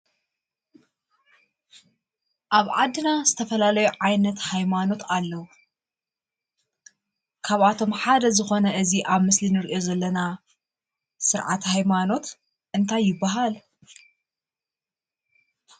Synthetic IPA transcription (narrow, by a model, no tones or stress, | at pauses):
ʔaβʕad̪ːɨnaz̥ɨt̪ʰɐfɐlalɐjuʕajnɐt̪hajmano̞t̪ʰalːɐwu | kʰaβʔat̪ʰo̞mħad̪ɐzɨxo̞nɐʔɨziʔaβmɨslinɨɾʔo̞zɐlːɐna | sɨɾʕa̰t̪hajmano̞t̪ | ʔɨnt̪ʰajːɪbːaɦal